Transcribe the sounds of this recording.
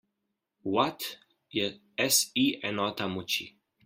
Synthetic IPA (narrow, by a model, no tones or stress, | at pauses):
wat̪ | jɛ | ɛsiɛnɔt̪amut͡ʃḭ